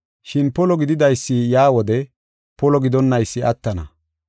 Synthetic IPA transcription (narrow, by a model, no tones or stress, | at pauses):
ʃɪnpɔlɔɡɪd̪ɪd̪ɐjsːɪjaːwɔd̪ɛ | pɔlɔɡɪd̪ɔnːɐjsːɪɐt̪ːɐnɐ